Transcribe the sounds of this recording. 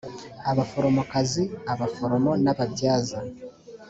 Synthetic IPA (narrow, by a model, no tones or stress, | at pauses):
aβafo̞ɾo̞mo̞kaziaβafo̞ɾo̞mo̞naβabɟaːza